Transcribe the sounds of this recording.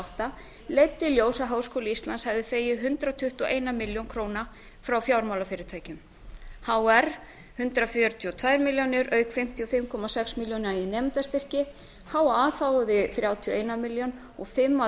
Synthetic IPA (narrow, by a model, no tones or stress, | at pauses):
wht̪a | lejt̪ːɪljoːwsaɦaːwskʰowlɪist̪lanshɛvðɪθeːjɪðɦʏnt̪ɾat̪ʰʏht̪ɔʔeːjnamɪljownkʰɾowna | fɾawfjawɾmawlafɪːɾɪt̪ʰaːjcʏm | haːwɛɾ̥ | hʏnt̪ɾafʏɾt̪ʰiɔt̪ʰvajɾmɪljownɪɾʔœːɥkfɪm̥t̪ʰiɔfɪmkʰɔmasɛksmiljownɾainɛmt̪ast̪ɪr̥cɪ | hawaːθawɣʏðɪθɾjaːwt̪ʰiɔejnamɪljon | ɔɣfɪmːa